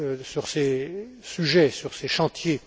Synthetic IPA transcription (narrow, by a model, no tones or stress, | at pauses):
syʁsesyʒɛsyʁseʃɑ̃t̪je